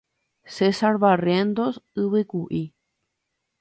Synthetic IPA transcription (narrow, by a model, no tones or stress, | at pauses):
sesaɾβarjend̪osɨβɨkuʔi